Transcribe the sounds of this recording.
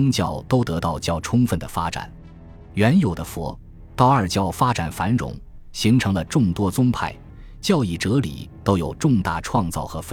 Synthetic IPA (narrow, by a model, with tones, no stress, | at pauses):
ŋt͡ɕjɑ̰˥˩ʊt̪o˥ʊt̪ɤ˧˥t̪ɑ˥˩ʊt͡ɕjɑ˥˩ʊʈ͡ʂʰʊ˥ŋfə˥˩nd̪ə˩fa˥ʈ͡ʂa̰˨˩˦n | ɥɛ˧˥njo˨˩ʊd̪ə˦fwɔ̰˧˥ | t̪ɑ˥˩ʊə˞˨˩t͡ɕjɑ˥˩ʊfa˥ʈ͡ʂa˨˩nfa˧˥nɻʊ̰˨˩˦ŋ | ɕi˧˥ŋʈ͡ʂʰɤ˧˥ŋlə˧ʈ͡ʂʊ˥˩ŋt̪wɔ˥t͡sʊ˥ŋpʰa˥˩ɪ | t͡ɕjɑ˥˧ʊi˥˩ʈ͡ʂɤ˧˥lḭ˨˩t̪o˥ʊjo˨˩ʊʈ͡ʂʊ˥˧ŋt̪a̰˥˩ʈ͡ʂʰwɑ˥˧ŋt͡sɑ˥˩ʊxɤ˧˥f